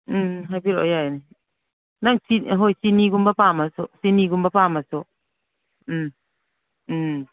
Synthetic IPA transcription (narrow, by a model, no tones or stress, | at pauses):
ɦajbiɾo̰jajni | naŋsiɦojsiniɡumbapamasɔsiniɡumbapamasɔ | m